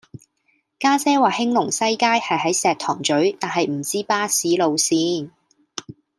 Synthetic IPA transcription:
kaː˥sɛː˥waː˨hɪ˥ŋlʊ˨˩ŋsɐ˥jkaː˥jhɐ˨jɦɐ˨˥jsɛː˨k̚t̪ʰɔː˨˩ŋt͡ʃɵ˨˥ɥt̪aː˨nɦɐ˨jm̩˨˩t͡siː˥paː˥siː˨˥lo˨˧wsiː˥n

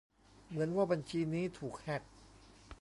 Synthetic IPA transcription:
mɯ˩˦ənwaː˥˩ba˧nt͡ɕʰiː˧niː˦˥t̪ʰuː˨˩k̚hɛ˨˥˩t̪̚

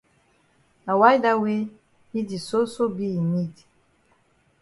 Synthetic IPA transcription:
a˨wa˦jda˦we˦ | i˦di˨so˦so˦bi˦˨ni˦di˨

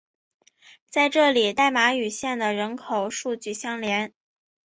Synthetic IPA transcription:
t͡sa˥˧ɪʈ͡ʂɤ˥˩li˨˩t̪a˥˩ɪma˧˥y˨˩ɕjɛ˥˩nd̪ə˩ɻə˧˥nkʰo˨˩ʊʂu˥˧t͡ɕy˥˩ɕjɑ˥ŋljɛ˧˥n

